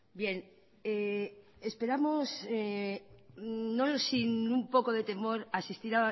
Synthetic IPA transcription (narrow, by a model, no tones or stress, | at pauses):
bje̞n | eespe̞ɾamose | nosinumpo̞ko̞ðe̞t̪e̞mo̞ɾasist̪iɾa